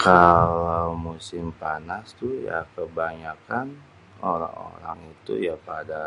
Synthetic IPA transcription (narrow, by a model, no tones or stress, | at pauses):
kalawmusɪmpanast̪uja̰kəbaɲakan | oɾa̰ŋo̰ɾa̰ŋit̪ṵjapada